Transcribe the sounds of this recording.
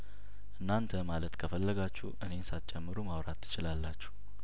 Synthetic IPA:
ʔɨnːant̪ʰəmalət̪kʰəfəlːəɡat͡ʃːuʔɨne̞nsat͡ʃʼɛmːɨɾumawɾat̪ʰːɨ̥t͡ʃɪlalːat͡ʃːu̥

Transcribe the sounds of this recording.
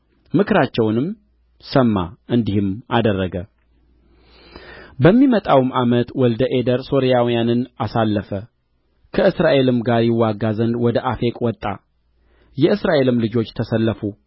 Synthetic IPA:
mɨkʰɨɾat͡ʃːɛwnɨm | səmːa̰ʔɨnd̪ihɨmad̪ərːəɡə | bəmːimət̪ʼawmʔamət̪wɔld̪əʔe̞d̪əɾso̞ɾijawijanɨnasalːəfə | kʰəɨsɾaʔe̞lɨmɡaɾjɪwːaɡːazənd̪wɔd̪əʔafekʼwɔt̪ʼːa̰ | jɛɨsɾaʔe̞lɨmlɨd͡ʒo̞t͡ʃːt̪ʰəsəlːəfu

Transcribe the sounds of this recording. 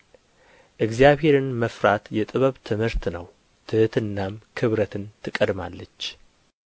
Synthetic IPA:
ʔɨkzjaβhe̞ɾɨnməfɾat̪jɛt̪ʼɨβəβt̪ʰɨmhɨɾt̪nəw | t̪ʰɨhɨt̪ʰɨnːamkʰɨβɾət̪ʰɨnt̪ʰɨkʼːəd̪malːət͡ʃː

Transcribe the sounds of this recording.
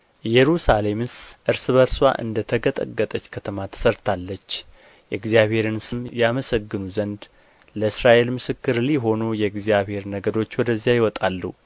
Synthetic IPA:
jɛɾusale̞mɨsʔɨɾsɨβəɾswa̰ʔɨ̰nd̪ət̪ʰəɡət̪ʼə̰ɡːət̪ʼət͡ʃːkʰət̪ʰəmat̪ʰə̥səɾt̪ʰalːət͡ʃː | jɛɡzijaβhe̞ɾɨnsɨmjaməsəɡːɨnuzənd̪ | ləɨsɾaʔe̞lmɨsɨkːɨɾliɦo̞nujɛɡzijaβhe̞ɾnəɡəd̪o̞t͡ʃːwɔd̪əzːijajɪwɔt̪ʼalːṵ

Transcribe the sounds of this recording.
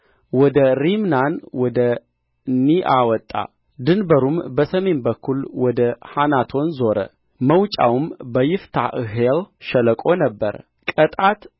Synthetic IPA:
wɔd̪əɾimnanwɔd̪ə | niʔawɔt̪ʼːa̰ | d̪ɨnbəɾumbəsəme̞nbəkʰːulwɔd̪əhanat̪ʰo̞nzo̞ɾə̰ | məwt͡ʃʼa̰wumbəjɪft̪ʰaʔɨɦelʃələkʼo̞nəbːəɾə | kʼət̪ʼat̪

